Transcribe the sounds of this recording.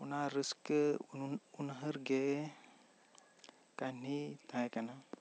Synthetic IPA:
unaɾɨskə | unɦəɾɡe | kanit̪ʰajkana

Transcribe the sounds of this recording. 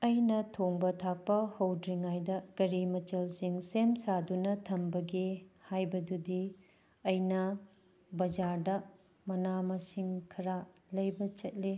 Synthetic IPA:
ɐjnɐtʰoŋbɐtʰak̚pɐhɐwdɾiŋajdɐkɐɾimɐt͡ʃɐlsiŋsemsadunɐtʰɐmbɐɡihajbɐdudi | ɐjnɐ | bɐd͡ʒaɾdɐ | mɐnamɐsiŋkʰɐɾalɐjbɐt͡ʃɐt̚le

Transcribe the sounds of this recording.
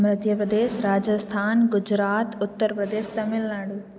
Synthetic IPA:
mɾɐt̪jɐpɾɐd̪eːʃɾaːd͡ʒɐst̪ʰaːnɡud͡ʒɾaːt̪ut̪ːɐɾɐpɾɐd̪eːʃt̪ɐmilnaːɽu

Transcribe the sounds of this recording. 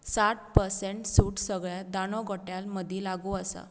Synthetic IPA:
saʈ̚pəɾseɳʈsuːʈsəɡɭjad̪anɔɡʱɔʈjalməd̪ʱilaɡuəsa̰

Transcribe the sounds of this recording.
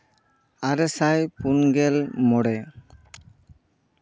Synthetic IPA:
aɾɛsajpunɡɛlmɔɽɛ

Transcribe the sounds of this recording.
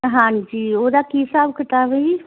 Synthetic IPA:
ɦãd͡ʒiod̪akisabkʰəʈabei

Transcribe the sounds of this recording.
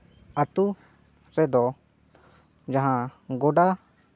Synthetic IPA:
at̪u | ɾɛd̪ɔ | d͡ʒaɦãɡɔɖa

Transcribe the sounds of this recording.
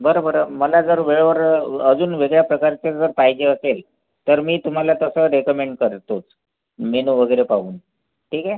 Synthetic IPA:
bəɾəbəɾəməlad͡zəɾʋeɭʋəɾəd͡zuːnʋeɡɭjapɾəkaɾt͡sed͡zəɾpaɦid͡ʑeəsel | t̪əɾmiːt̪um̤alat̪əsəɾekəmeɳɖ̚kəɾt̪ot͡s | menuʋəɡəjɾepaɦuːn | ʈʰiːkɛ

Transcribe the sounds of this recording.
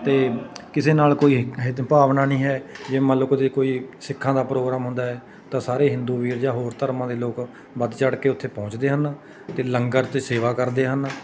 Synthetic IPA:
t̪eːkɪseːnaːlkoːiːɦɪpaːʋnaːnĩːɦɛːd͡ʒeːmə̃loːkt̪eːkoːiːsɪkʰːãːd̪aːpɾoːɡɾaːmɦʊ̃nd̪aːɦɛː | t̪ãːsaːɾeːɦɪ̃nd̪uːʋiːɾd͡ʒãːɦoːɾt̪əɾmãːd̪eːloːk | bəd̪t͡ʃəɽkeːʊt̪ʰːeːpɔ̃ːɲt͡ʃd̪eːɦən | t̪eːləŋɡəɾt̪seːʋaːkəɾd̪eːɦən

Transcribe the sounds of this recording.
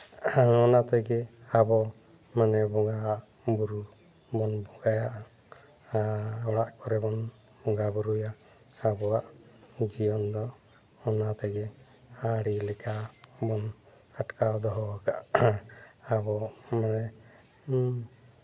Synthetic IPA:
ɔnat̪ɛɡɛabɔ | manɛbɔŋɡaʔ | buɾu | bɔnbɔɡajaʔ | ɔɽaʔkɔɾɛbɔn | bɔŋɡabuɾujaː | bɔaʔ | d͡ʒijɔnd̪ɔ | ɔnat̪ɛɡɛ | aɽilɛkʰabɔn | aʈkad̪ɔɦɔakaʔ | abɔmanɛ

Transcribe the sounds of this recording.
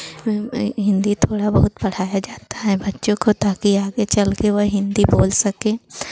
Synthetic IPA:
ɦɪ̃nd̪it̪ʰoːɽabɐɦʊt̪̚pɐɽ̤aːjad͡ʒaːt̪ḁɦɛbɐtːʃõkot̪aːkiaːɡet͡ʃɐlkeʋɐɦɪ̃nd̪iboːlsɐkẽː

